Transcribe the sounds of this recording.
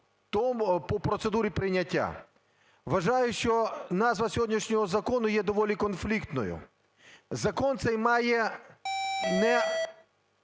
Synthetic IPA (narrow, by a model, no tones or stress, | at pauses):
t̪ɔmpɔpɾɔt̪sed̪uɾʲipɾɪnʲɐtʲːa̰ | ʋɐʒajʊʃt͡ʃɔnɑzʋɐsʲɔɦɔdʲnʲiʂnʲɔɦɔzɐkɔnʊjɛd̪ɔʋɔlʲikɔnflʲikt̪nɔ̰jʊ̰ | zɐkɔnt̪sɛjmɑjɛ | nɛ